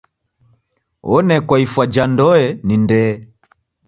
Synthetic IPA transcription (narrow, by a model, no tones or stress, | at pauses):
ɔnɛkwaifwad͡ʒandɔɛnindɛ